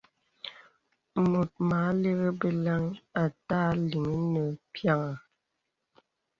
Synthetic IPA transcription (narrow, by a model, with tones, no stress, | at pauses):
mo˨t̚ma˨˦le˦ɣə˦bə˨la˦ŋa˨taː˦li˨ŋə˦nə˨pʰja˦ŋa˨